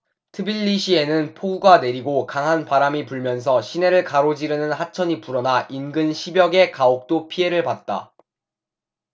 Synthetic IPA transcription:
tʰɯbiʎːiɕʰie̞nɯnpʰoɡuɡane̞ɾiɡokaŋɦanpaɾamipuɭmjʌns̬ʰʌɕʰine̞ɾɯɭkaɾod͡ʑiɾɯnɯnhat͡ɕʰʌɲipuɾʌnaʔinɡɯnɕʰibjʌɡe̞kaok̚t͈opʰie̞ɾɯɭpat̚t͈a̰

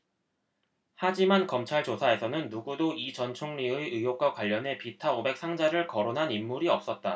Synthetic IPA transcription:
had͡ʑimankʌmt͡ɕʰaɭt͡ɕosʰae̞sʰʌnɯnːuɡudoit͡ɕʌnt͡ɕʰoŋɲiɯɯjok͈wakwaʎːʌne̞pitʰaobe̞k̚s͈ʰaŋd͡ʑaɾɯɭkʌɾonɦanimːuɾiʌp̚s͈ʌt̚t͈a

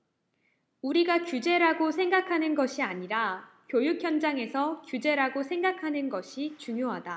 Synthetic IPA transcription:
uɾiɡakjud͡ʑe̞ɾaɡosʰe̞ŋɡakʰanɯnɡʌɕʰiaɲiɾa | kjojukʰjʌnd͡ʑaŋe̞sʰʌkjud͡ʑe̞ɾaɡosʰe̞ŋɡakʰanɯnɡʌɕʰit͡ɕuŋjoɦada

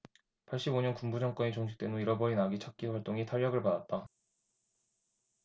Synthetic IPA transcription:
pʰaɭɕ͈iboɲʌnkumbud͡ʑʌŋk͈wʌnit͡ɕoŋɕʰi̥k̚t͈e̞noiɾʌbʌɾinaɡit͡ɕʰak̚k͈iwaɭt͈oŋitʰaɭːʌɡɯɭpadat̚t͈a

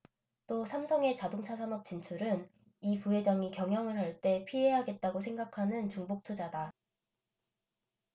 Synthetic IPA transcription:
t͈osʰamsʰʌŋe̞t͡ɕadoŋt͡ɕʰasʰanʌp̚t͡ɕ͈int͡ɕʰuɾɯn | ipuɦe̞d͡ʑʌŋikjʌŋɦjʌŋɯɭɦaɭt͈e̞pʰiɦeɦaɡe̞t̚t͈aɡosʰe̞ŋɡakʰanɯnt͡ɕuŋbok̚tʰud͡ʑada

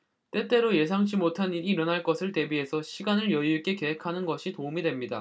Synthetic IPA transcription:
t͈e̞t͈e̞ɾoje̞s̬ʰaŋd͡ʑimotʰaniɾiːɾʌnɦaɭk͈ʌsʰɯɭte̞bie̞sʰʌɕʰiɡanɯɭjʌjuik͈e̞ke̞ɦekʰanɯnɡʌɕʰitoumidwe̞mɲida̰

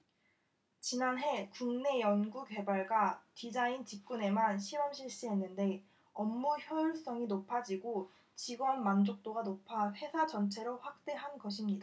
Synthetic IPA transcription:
t͡ɕinanɦe̞kuŋne̞jʌnɡuɡe̞baɭɡwatid͡ʑaint͡ɕip̚k͈une̞manɕʰiɾʌmɕʰiɭɕ͈iɦenːɯnde̞ | ʌmːuçjʌiɭs͈ʌŋinopʰad͡ʑiɡo | t͡ɕiɡwʌnmand͡ʑok̚t͈oɡanopʰahe̞sʰad͡ʑʌnt͡ɕʰe̞ɾoɸwak̚t͈e̞ɦanɡʌɕ̬ʰimɲida

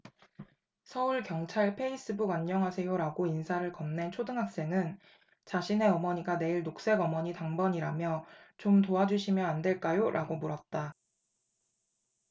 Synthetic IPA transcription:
sʰʌuɭkjʌŋt͡ɕʰaɭpʰe̞is͈ɯbuɡaɲːʌŋɦasʰe̞joɾaɡoinsʰaɾɯɭkʌmne̞nt͡ɕʰodɯŋɦak̚s͈e̞ŋɯn | t͡ɕaɕʰine̞ʌmʌɲiɡane̞iɭnok̚s͈e̞ɡʌmʌɲitaŋbʌɲiɾamjʌt͡ɕomtoad͡ʑuɕʰimjʌande̞ɭk͈ajoɾʔaɡomuɾʌt̚t͈a

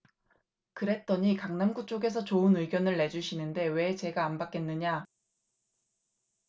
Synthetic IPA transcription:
kɯɾe̞t̚t͈ʌɲikaŋnanɡut͡ɕ͈oɡe̞s̬ʰʌt͡ɕoɯnɯiɡjʌnɯɭːe̞d͡ʑuɕʰinɯnde̞we̞t͡ɕe̞ɡaːnbak͈e̞nːɯɲa

